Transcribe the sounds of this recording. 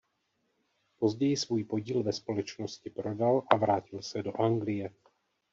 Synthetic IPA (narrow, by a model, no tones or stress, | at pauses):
po̞zɟɛjɪsvuːjpo̞ɟiːlvɛspo̞lɛt͡ʃnoscɪpɾo̞dalʔavɾaːcɪlsɛdo̞ʔaŋɡlɪjɛ